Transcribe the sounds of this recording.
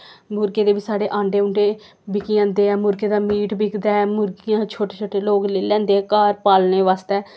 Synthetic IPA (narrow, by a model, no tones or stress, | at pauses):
mʊɾɡeːd̪eːbiːsaːɽeːʔãːɳɖeːʊɳɖeː | bɪkiãːnd̪eːɛːmʊɾɡeːd̪aːmiːʈbɪkd̪aːɛːmʊɾɡijãːt͡ʃʰoːʈeːt͡ʃʰoːʈeːloːkleːlɛ̃ːnd̪eːɛːkaːɾpaːlneːʋaːst̪ɛː